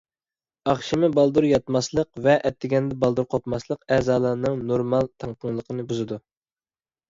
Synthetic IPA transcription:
ɑχʃimɨbɑlˠd̪uɾjɑt̪mɑslˠəqvɛʔɛt̪ʰːɪɡʲɛnd̪ɛbɑlˠd̪uɾqʰopmɑslˠəqɛzɑːlˠɑɾnɨŋnoɾmɑlˠt̪ʰɑŋt̪ʰəŋlˠəqʰənɨbuzɨd̪u

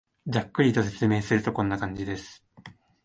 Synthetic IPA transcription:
d͡ʑakːɯ̟ɾʲit̪o̞s̬e̞t͡sɨme̞ːsɨɾɯ̟t̪o̞kõ̞nːakãɲ̟d͡ʑid̪e̞sɨ̥

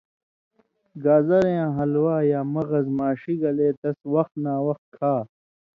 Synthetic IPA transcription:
ɡaːzɐɾejãːɦɐlwaːjaːmɐɣɐzmaːɕiɡɐleːt̪ɐswɐxt̪naːwɐxt̪̚kʰaː

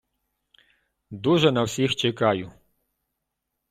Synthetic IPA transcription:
d̪uʒɛnawsʲixt͡ʃɛkajʊ

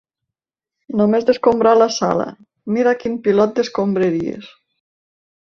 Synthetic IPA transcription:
nomezðeskombɾalasa̰lə̰ | miɾakinpilɔt̪̚d̪eskombɾeɾiḛs

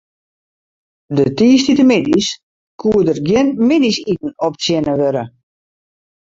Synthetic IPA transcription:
dətiːstitəmɪdis | kʰuədərɡjɪnmɪdisitn̩ɔp̚sjɪnəʋøɾə

